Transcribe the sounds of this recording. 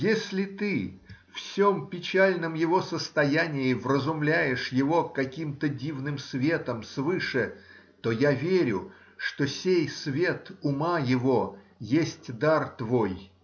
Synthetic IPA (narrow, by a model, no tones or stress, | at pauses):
jesʲlʲɪt̪ɨfsʲompʲɪt͡ɕælʲnəmjɪvo̞səst̪ɐjænʲɪɪvrəzʊmlʲæjɪʂjɪvo̞kɐkʲimt̪ədʲivnɨmsvʲe̞t̪əmsvɨʂɨ | t̪o̞javʲeɾʲʊ | ʂt̪osʲejsvʲe̞t̪ʊmajɪvo̞ | jesʲtʲd̪art̪vo̞j